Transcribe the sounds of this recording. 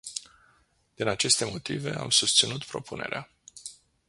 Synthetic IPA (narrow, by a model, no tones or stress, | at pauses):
d̪̥inat͡ʃe̞st̪e̞mo̞t̪ive̞̰a̰msust̪sinut̪pɾo̞pune̞̰ɾea